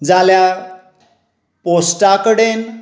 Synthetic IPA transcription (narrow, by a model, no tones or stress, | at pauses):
d͡zalja | posʈakəɽen